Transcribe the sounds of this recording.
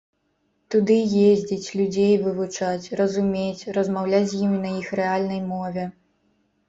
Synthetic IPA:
t̪ud̪ɨjezʲd͡zʲit͡sʲlʲud͡zʲejvɨvut͡ʂat͡sʲrɐzumʲet͡sʲrɐzmawlʲat͡sʲzʲjimʲinɐixrɛalʲnɐjmɔvʲɛ

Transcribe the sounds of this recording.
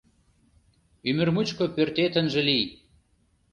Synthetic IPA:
ymɘ̆rmut͡ɕkŏpørt̪et̪ə̆nʒə̆lij

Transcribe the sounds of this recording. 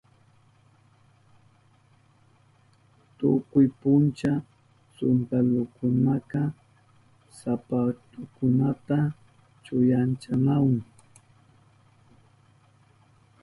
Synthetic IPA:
t̪ʊkʊjpʊnt͡ʃa | sʊnt̪alʊkʊnakɑ | sapat̪ʊkʊnat̪a | t͡ʃʊjant͡ʃanawʊŋ

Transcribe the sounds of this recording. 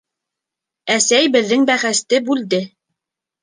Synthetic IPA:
æsæjbɘ̆ðːɘŋbæχæst̪ɘbʉld̪ɘ

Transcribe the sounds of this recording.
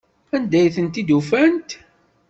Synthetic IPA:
ænd̪æjθənt̪id̪ufænt̪

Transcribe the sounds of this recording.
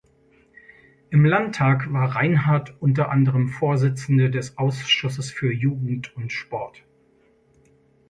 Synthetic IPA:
ʔɪmlantʰːaːkv̥aːɐʁaɪnɦaɐtʔʊntɐʔandəʁəmfoːɐzɪt͡sn̩dədɛsʔaʊsʃʊsəsfyːɐjuːɡŋ̩tʊntʃpɔɐt

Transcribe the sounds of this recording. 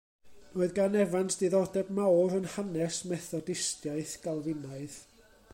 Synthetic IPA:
noːɨðɡanɛvantʰd̥iðɔdɛbmawɾənhanɛsmɛθɔdɪstjaɨθɡ̥alˠvɪnaɨð

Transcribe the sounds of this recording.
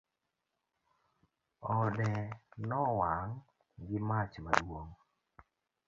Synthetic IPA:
ɔdɛnɔwaŋ | ɡɪmat͡ʃma̰dwoŋ

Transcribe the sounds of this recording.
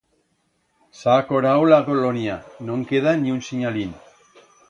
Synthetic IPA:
sakoɾawlaɣolonianoŋkeðaniunsiɲalin

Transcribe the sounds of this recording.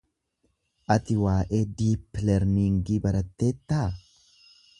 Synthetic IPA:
ʔɐt̪ɪwaːʔeːd̪iːpːlɛɾniŋɡibɐɾɐt̪ːeːt̪ːaː

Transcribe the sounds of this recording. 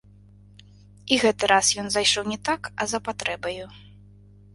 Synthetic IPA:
iɣɛt̪ɨɾasjɔnzajʂɔwnʲɛt̪akɐzɐpat̪ɾɛbɐju

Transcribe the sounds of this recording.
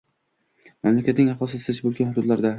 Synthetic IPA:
mamlakʲat̪nɪŋɑχɒsɪsɪzɪʃbolˠɡʲanhʊd̪ʊd̪laɾd̪a

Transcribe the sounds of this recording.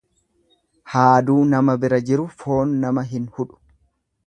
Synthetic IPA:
haːd̪uːnɐmɐbɪɾɐd͡ʒɪɾʊfo̞ːnːɐmɐɦɪnhʊᶑʊ̥

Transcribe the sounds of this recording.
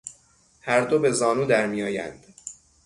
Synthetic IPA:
hæɾd̪o̞be̞zɒːnuːd̪æɾmiːjɒːjæ̰nd̪̥

